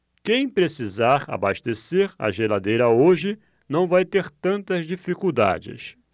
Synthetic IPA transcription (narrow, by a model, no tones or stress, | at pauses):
kẽj̃pɾesizaɾa̰baʃt̪eseɾa̰ʒelad̪ejɾɐoʒɪ | nɐ̃w̃vajt̪eɾt̪ɐ̃nt̪ɐzd͡ʒifikuwd̪a̰d͡ʒɪ̰s